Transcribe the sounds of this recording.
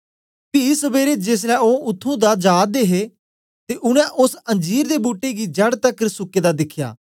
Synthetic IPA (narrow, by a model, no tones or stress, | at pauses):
piːsəbeːɾeːd͡ʒeːs̬lɛːoːʊt̪ʰːũːd̪aːd͡ʒaːd̪eːɦeː | t̪eːʔʊnɛ̃ːʔʊsə̃nd͡ʒiːɾd̪eːbuːʈːeːɡiːd͡ʒəɽt̪əkəɾsʊkːeːd̪aːd̪ɪkʰja̰ː